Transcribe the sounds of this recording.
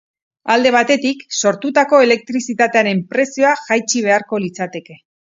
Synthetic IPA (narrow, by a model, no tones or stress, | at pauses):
ald̪e̞β̞at̪e̞t̪ikso̞ɾt̪ut̪ako̞e̞le̞k̚t̪ɾisit̪at̪e̞aɾe̞mpɾe̞sio̞aʝajt͡ʃiβ̞e̞aɾko̞lit͡sat̪e̞ke̞